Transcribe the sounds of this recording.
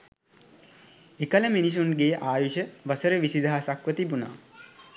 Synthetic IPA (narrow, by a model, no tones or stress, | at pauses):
ekələminis̬unɡeːʔaːjuʃəʋəsəɾəʋisid̪aɦasakʋət̪ibuna̰ː